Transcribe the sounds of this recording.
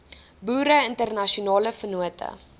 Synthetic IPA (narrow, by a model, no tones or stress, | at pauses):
buːɾəəntərnɐʃiunɑːləfənuətʰə̰